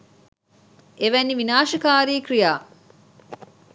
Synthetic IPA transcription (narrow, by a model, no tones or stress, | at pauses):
ʔeʋænːiʋinaːʃɐkaːɾiːkrijaː